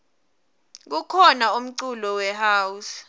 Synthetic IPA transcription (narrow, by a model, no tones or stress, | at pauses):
k̬ukʰɔnaum̩ǀulɔwɛhaːus